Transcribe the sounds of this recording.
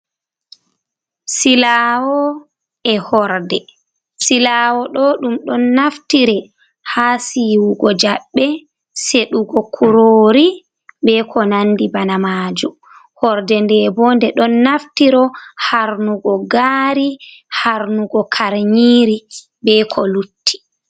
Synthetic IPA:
silawɔ | ɛhɔɾdɛ | silawɔɗɔɗumɗɔnːaftiɾɛ | hasiwuɡɔd͡ʒaɓːɛ | seɗuɡɔkʰuɾoːɾi | bɛkʰɔnanːdibanamaːd͡ʒu | hɔɾdɛndɛbɔndɛɗɔnːaftiɾɔhaɾnuɡɔɡaːɾihaɾnuɡɔkʰaɾɲiːɾi | bɛkʰɔlutːi̥

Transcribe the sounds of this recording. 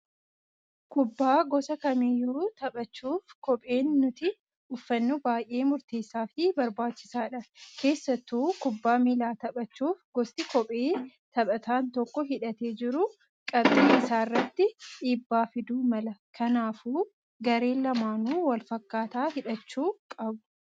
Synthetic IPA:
kʊbːaːɡɔsɐkɐmiːjːuːt̪ɐɓɐt͡ʃːuːfkɔpʼe̞ːnːʊt̪ɪ | ʊfːɐnːubaːjʔe̞ːmʊɾt̪eːsːaːfɪbɐɾbaːt͡ʃːɪ̥saːᶑɐkʰe̞ːsːɐt̪ːuːkʊbːaːmiːlaːt̪ɐɓɐt͡ʃːuːfɡɔst̪ɪkɔpʼeːt̪ɐɓʼɐt̪aːnt̪ɔkːɔɦɪᶑɐt̪e̞ːd͡ʒɪɾʊ | kʼɐbdiːɪsaːrːɐt̪ːɪiːbːaːfɪd̪uːmɐlɐkʰɐnaːfuː | ɡɐɾe̞ːlɐmaːnuːwɐlfɐkːaːt̪aːhɪᶑɐt͡ʃːuːkʼɐbʊ̥

